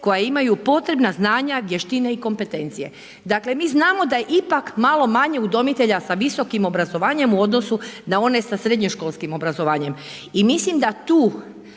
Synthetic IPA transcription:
ko̞jaimajupo̞t̪ɾe̞bnaznaːɲaʋjeʃt̪ine̞iko̞mpe̞t̪e̞nt̪sije̞̰ | d̪akle̞miːznaːmo̞d̪ajeʔipakmalˠo̞maɲe̞ud̪o̞mit̪e̞ʎasaʋiso̞kimo̞bɾazo̞ʋaːɲe̞muod̪no̞sunao̞ne̞sasɾed̪ɲoʃkoːlˠskimo̞bɾazo̞ʋaːɲem | imislimd̪at̪uː

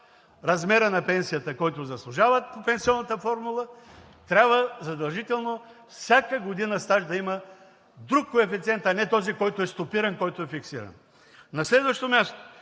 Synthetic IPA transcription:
ɾɐzmɛɾənɐpɛnsijət̪əkɔjt̪ʊzɐslˠʊʒavət̪̚popɛnsiɔnːət̪əfɔɾmulˠə | t̪ɾʲabvəzɐd̪ɐlˠʒit̪ɛlˠno | fsʲjakəɡod̪inəst̪aʒd̪ɐimə | d̪ɾukːoɛfit̪siɛnt̪ɐnɛt̪ɔzikɔjt̪ʊɛst̪opiɾɐnkɔjt̪ʊɛfiksḭɾɐ̰n | nɐslɛd̪vəʃt̪omʲjast̪o̥

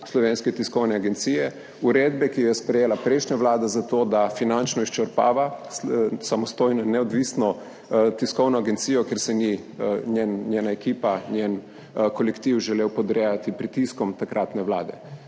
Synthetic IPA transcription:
slɔʋeːnskɛt̪iskɔwnɛaɡɛnt̪sijɛ | uɾeːd̪bɛkijɛspɾɛjeːlapɾɛjʃnɲaʋlaːd̪azat̪oːd̪afinant͡ʃnɔist͡ʃɛɾpa̰ːʋa | samɔst̪oːjnɔnɛɔd̪ʋisnɔ | t̪iskɔwnɔaɡɛnt̪siːjɔkeɾsɛni | nʲjennjeːnaekiːpanjen | kɔlɛkt̪iwʒɛleːwpɔd̪ɾejat̪ipɾit̪iskɔmt̪akɾʔat̪nɛʋla̰ːd̪ɛ̰

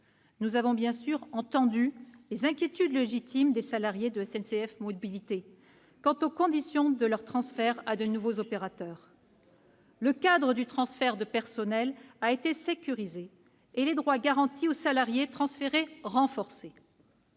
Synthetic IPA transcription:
nuzavɔ̃bjɛ̃syʁɑ̃t̪ɑ̃d̪ylezɛ̃kʲjet̪yd̪leʒit̪ʰimd̪esalaʁjed̪əɛsɛnseɛfmɔbilit̪e | kɑ̃t̪okɔ̃d̪isjɔ̃d̪əlœʁt̪χɑ̃sfɛʁad̪ənuvozɔpeʁat̪œːʁ | ləkad̪ʁəd̪yt̪χɑ̃sfɛʁd̪əpɛʁsɔnɛlaet̪esekʲyʁizeː | led̪ʁwaɡaʁɑ̃t̪ʰiosalaʁjet̪χɑ̃sfeʁeʁɑ̃fɔʁse

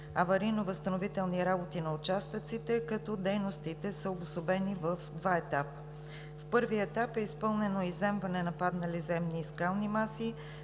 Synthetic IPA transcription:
ɐvɐɾinovəst̪ənovit̪ɛlˠniɾabot̪inɐut͡ʃast̪ət̪sit̪ɛkɐt̪ɔd̪ɛjnost̪it̪ɛsəobʊsobɛnivəfd̪vaɛt̪apə̥ | fpɤɾviɛt̪apɛispɤlˠnɛnoizɛmvɐnɛnɐpad̪nɐlizɛmniːskalˠnimasi

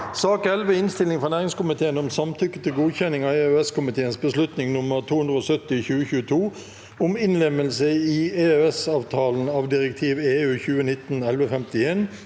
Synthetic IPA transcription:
sɑːkɛlʋəɪnst̪ɪlɪŋfʁɑnæːʁɪŋskʊmɪt̪ʰeːənɔmsɑmt̪ʰʏkːət̪ʰɪlɡuːçɛnɪŋɑeːøɛskʊmɪt̪ʰeːənsbəslʉt̪nɪŋnʊməʁt̪ʰuːʉnd̪ʁəoːsœt̪ːɪçʉːəçʉːət̪ʰuː | ʊmɪnlɛməlsəiːeːøɛsɑːʋt̪ʰɑːln̩ɑːʋd̪ɪʁək̚t̪ʰiːʋeːʉːçʉːənɪt̪nɛlʋəfɛmt̪ɪeːn

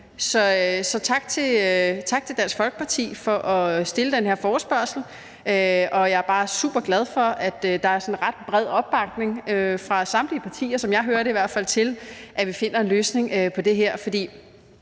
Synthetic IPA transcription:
sɒ̽sɒ̽t͡sʰɑ̈ɡ̥̚t͡sʰe̝t͡sʰɑ̈ɡ̥̚t͡sʰe̝d̥æɐnsɡ̥fɒ̽lɡ̥ə̥pʰɑ̈t͡sʰḭːfɒ̽ʔɒ̽sd̥e̝ləd̥enɦe̝ɐfɒːsb̥ɶɐsl̩ | øʔɒ̽jɑ̈æɐb̥ɑ̈ːsṵːb̥ɐɡ̥lɛð̞ˠfɒ̽æd̥d̥ɑ̈æɐsɒ̽n̩ʁɑ̈d̥̚b̥ʁɛð̞̰ˠɒ̽b̥̚ːɑ̈ɡ̥ne̝ŋøfʁɑ̈sɑ̈mdliəpʰɑ̈t͡sʰḭːɐsɒ̽mjɑ̈ɪɦøːɐɾ̥eiʋæɐ̰d̥fæl̰t͡sʰe̝lʔæʋife̝n̰ɐe̝nløːsne̝ŋøpʰɒ̽d̥e̝ɦeɐ̰fɒ̽d̥ḭː

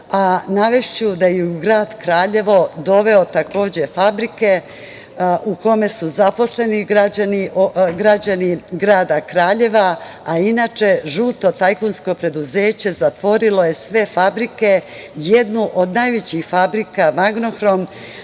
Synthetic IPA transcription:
anaʋe̞ʃt͡ɕud̪ajeuuɡɾaːd̪kɾaːʎe̞ʋo̞d̪o̞ʋe̞ot̪ako̞ːd͡ʑe̞fabɾike | ʔuko̞me̞suzapo̞sle̞niɡɾad͡ʑaniʔoɡɾad͡ʑaniɡɾaːd̪akɾaːʎe̞ʋaainaːt͡ʃe̞ʒuːt̪o̞t̪ajkonsko̞pɾe̞d̪uze̞ːt͡ɕe̞zat̪ʋo̞ɾilo̞je̞sʋe̞fabɾike̞ | jed̪nuʔod̪najʋet͡ɕixfabɾikamaɡno̞xɾom

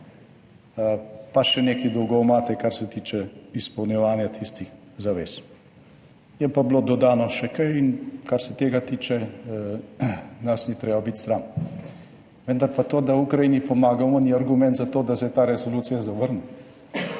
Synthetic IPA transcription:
paʃɛneːkid̪ɔwɡɔwmat̪ɛkaɾsɛt̪iːt͡ʃɛispɔwnjɛʋaːnjat̪ʰist̪ix | zaʋeːs | jɛpablod̪ɔd̪aːnɔʃɛkajinkaɾsɛt̪eːɡat̪iːt͡ʃɛ | nasnit̪ɾeːbabit̪st̪ɾan | ʋənd̪aɾpat̪oːd̪awukɾajiːnipɔmaːɡawmɔniaɾɡumɛ̃nt̪zat̪oːd̪asɛt̪aːɾɛsoluːt̪sijazaʋəɾnu

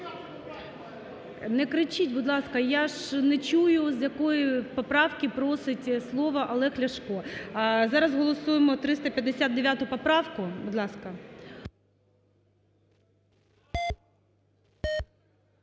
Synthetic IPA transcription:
nɛkɾɪt͡ʃitʲbʊd̪lˠɑskɐjaʒnɛt͡ʃujʊzjɐkɔjipɔpɾɑwkʲɪpɾɔsɪtʲslˠɔʋɐʔɐlˠɛxlʲɐʃkɔzɑɾɐzɦɔlˠɔsujemɔt̪ɾɪst̪ɐpʲjɐd̪esʲad̪̚d̪eʋʲjat̪ʊpɔpɾɑwkʊbʊd̪lˠɑskɐ

